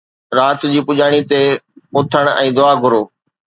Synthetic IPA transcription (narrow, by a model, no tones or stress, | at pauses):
ɾaːt̪d͡ʑiːpʊʄaːɽ̃it̪eʊt̪ʰəɽ̃ɛ̰̃ːd̪ʊaːɡʱʊɾoː